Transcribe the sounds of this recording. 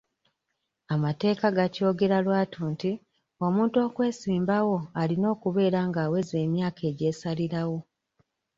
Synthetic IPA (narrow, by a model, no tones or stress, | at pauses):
amate̞ːkaɡaco̞ːɡe̞ɾalwaːtʰuːnti | o̞muːnto̞ːkwe̞ːsiːmbawo̞alino̞ːkuβe̞ːɾaːŋɡaːwe̞ze̞ːmjaːkʰe̞ːɟe̞ːsaliɾawo̞